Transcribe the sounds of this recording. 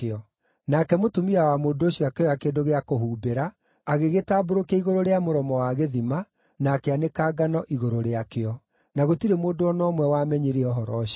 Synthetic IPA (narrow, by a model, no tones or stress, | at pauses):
ɔ | nakɛmotomiawamoːndooɕjɔakeɔjakeːdoɣeakoɦuːbeɾaː | ɣeɣetaːboɾokaiɣoɾoɾeamoɾɔmɔwaɣeðima | naːkɛanekaːɡanɔʔiɣoɾoɾeakeɔ | naɣotiɾemoːdoɔnɔːmwɛwamɛɲeɾeɔɦɔɾɔɕi